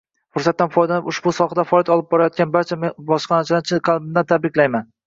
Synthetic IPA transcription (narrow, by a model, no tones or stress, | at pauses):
fʊɾsat̪ːanfɒjd̪anɪpʊʃbʊsɒχad̪afɒjat̪ɒlˠɪp̚bɒɾajɒt̪̚ɡʲanbaɾt͡ʃʰambɒʃqɑnat͡ʃʰɪd̪at͡ʃʰɪqʰɑlˠbɪmd̪ant̪ʰab̪ɾɪkʲlajman